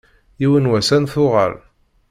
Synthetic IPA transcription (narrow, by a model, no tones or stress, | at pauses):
jiwənwæsænθʊʁə̰l